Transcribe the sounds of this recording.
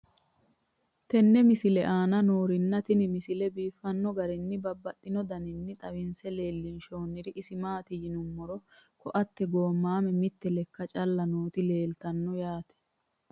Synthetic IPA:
t̪ɛnːɛmɪsɪlɛʔaːnɐno̞ːɾɪnːɐt̪ɪnɪmɪsɪlɛbiːfːɐnːɔɡɐɾɪnːɪbɐbːɐt̪ʼːɪnɔd̪ɐnɪnːɪt̪ʼɐwɪnsɛle̞ːlːɪnʃo̞ːnːɪɾɪʔɪsɪmaːt̪ɪjɪnʊmːɔɾɔkɔʔɐt̪ːɛɡo̞ːmːaːmɛmɪt̪ːɛlɛkːɐt͡ʃʼɐlːɐnoːt̪ɪle̞ːlt̪ɐnːɔjaːt̪ɛ̥

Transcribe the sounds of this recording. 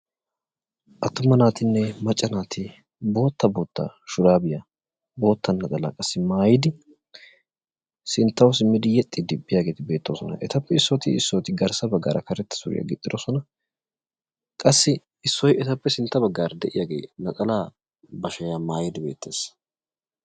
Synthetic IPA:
ʔɐt̪ːʊmɐnaːt̪ɪnːɛmɐt͡ʃʼːɐnaːt̪ʰɪ | bo̞ːt̪ːɐboːt̪ːa̰ːʃʊɾaːbɪjɐ | bo̞ːt̪ːɐnːɐt͡sʼɐla̰ːkʼɐsːɪmaːjɪd̪ɪ | sɪnt̪ːɐwsɪmːɪd̪ɪjɛt̪ʼːɪd̪ɪbːɪjaːɡe̞ːt̪ɪbe̞ːt̪ːosɔnɐ̰ʔɛt̪ɐpːɛɪsːɔt̪ɪɪsːot̪ɪɡɐɾsɐbɐɡːa̰ːɾɐ̰kɐɾɛt̪ːɐ̥sʊɾɪ̰jɐ̰ɡɪt̪ʼːɪd̪osɔnɐ | kʼɐsːɪ | ɪsːɔjɛt̪ɐpːɛsɪnt̪ːɐbɐɡːaːɾd̪ɛʔɪjaːɡḛːnɐt͡sʼɐlaː | bɐʃɐjaːmaːjɪd̪ɪbe̞̰ːt̪ːḛːs

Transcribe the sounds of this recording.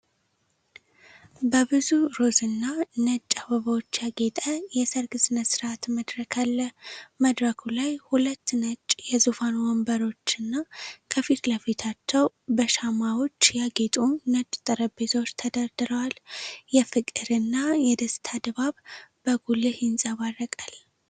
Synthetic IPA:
bəbɨzuɾo̞zɨnːanət͡ʃʼːaβəβəwot͡ʃːjaɡet̪ʼəjɛsəɾɡɨsnəsɨɾat̪məd̪ɾəkʰalːəməd̪ɾəkʰulajhulət̪ːnət͡ʃʼjɛzufanwɔmbəɾo̞t͡ʃːɨnːakʰəfit̪ləfit̪ʰat͡ʃːɛw | bəʃamawo̞t͡ʃːjaɡet̪ʼunət͡ʃʼt̪ʼɨɾəbet̪ʰo̞t͡ʃːt̪ʰəd̪əɾd̪ɨɾəwaljɛfɨkʼɨɾɨnːajɛd̪əst̪ʰad̪βaβbəɡulɨhjɪnsʼəβarːəkʼal

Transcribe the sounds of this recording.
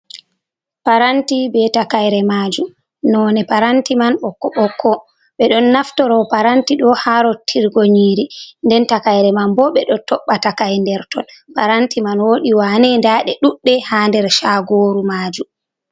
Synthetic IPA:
paɾantibɛtakajɾɛmaːd͡ʒum | nɔːnɛpaɾantimanɓɔkːɔɓɔkʰːɔ | ɓɛɗɔnːaftɔɾɔpaɾantiɗɔhaɾɔtʰːiɾɡoɲiːɾindɛntakajɾɛmambɔɓɛɗɔtɔɓːatakajndɛɾtɔlpaɾantimanwoɗiwanɛndaːɗɛɗuɗːɛhaːndɛɾʃaɡoːɾumaːd͡ʒum

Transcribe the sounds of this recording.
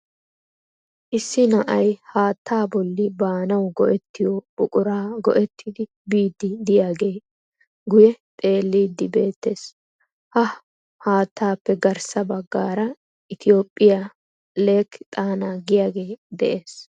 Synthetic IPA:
ʔɪsːɪnɐʔɐjhaːt̪ʰːaːbɔlːɪbaːnɐwɡɔʔɛt̪ːɪjɔbʊkʼʊɾaːɡɔ̰ʔɛt̪ʰːɪd̪ɪ | biːd̪ːɪd̪ɪjaːɡe̞ː | ɡʊjɛt̪ʼe̞ːlːiːd̪ːɪbe̞ːt̪ːe̞ːs | hɐ | haːt̪ʰːaːpːɛɡɐɾsɐbɐɡːaːɾɐ | ʔɪt̪ʰɪjo̞ːpʼːɪja | le̞ːkːt̪ʼaːnaːɡɪjaːɡe̞ːd̪ɛ̰ʔe̞ːs

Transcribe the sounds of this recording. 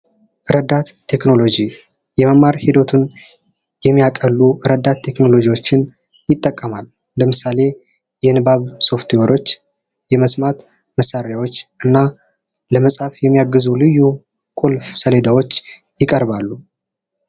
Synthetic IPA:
ʔɨɾəd̪ːat̪ʰːe̞kno̞lo̞d͡ʒi | jɛməmaɾhid̪o̞t̪ʰun | jɛmːijakʼəlːuɨɾəd̪ːat̪ʰːe̞kno̞lo̞d͡ʒijwo̞t͡ʃːɪn | jɪt̪ʼːəkʼːəmalː | əmɨsale̞ | jɛnɨbaβso̞ft̪ʰiwəɾo̞t͡ʃː | jɛməsmat̪ | məsaɾjawo̞t͡ʃːʔɨnːa | ləməsʼhafjɛmːijaɡːɨzulɨjːu | kʼulfsəle̞d̪awo̞t͡ʃː | jɪkʼəɾbalːu

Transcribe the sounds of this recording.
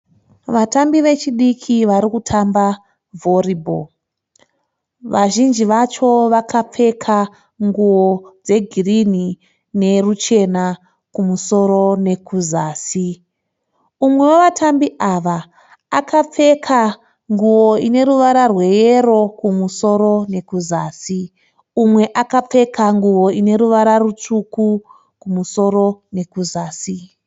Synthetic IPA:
ʋatambiʋe̞t͡ʃiɗikʰiʋaɾikutʰamba | vo̞ribʱo̰ | ʋaʒind͡ʒiʋat͡ʃo̞ʋakʰap͡fe̞kʰa | ŋɡuwod͡ze̞ɡʱirini | ne̞rut͡ʃe̞na | kumuso̞ɾo̞ne̞kʰuzaːsi | umwe̞woʋatʰambiʔaʋaː | kap͡fe̞kʰa | ŋɡuwoine̞ɾuʋaɾarwe̞je̞ɾo̞kumuso̞ɾo̞ne̞kuzaːsi | umwe̞ʔakap͡fe̞kaŋɡuwo̞ine̞ɾuʋaɾarut͡ʂuku | kumuso̞ɾo̞ne̞kuzaːsi

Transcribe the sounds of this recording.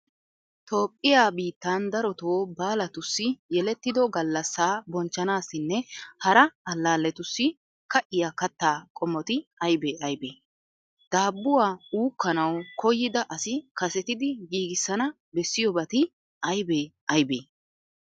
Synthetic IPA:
t̪o̞ːpʼːɪjaːbiːt̪ːaːnd̪ɐɾɔt̪oːbaːlɐt̪ʊsːɪjɛlɛt̪ːɪd̪ɔɡɐlːɐsːaːbɔnt͡ʃːɐnaːsːɪnːɛhɐɾɐɐlːaːlːɛt̪ʊsːɪ | kɐʔɪjaːkɐt̪ːaːkʼɔmːɔt̪ɪɐjbeːʔɐjbeː | d̪̥aːbːʊwaːuːkːɐnɐwkʰɔjːɪd̪ɐʔɐsɪkɐsɛt̪ɪd̪ɪɡiːɡɪsːɐnɐ | bɛsːɪjɔbɐt̪ɪ | ʔɐjbeːʔɐjbḛː

